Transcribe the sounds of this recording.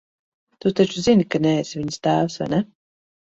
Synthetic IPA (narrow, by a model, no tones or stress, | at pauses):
t̪ut̪at͡ʃuzinikanɛesviɲst̪æːvsva̰jnɛ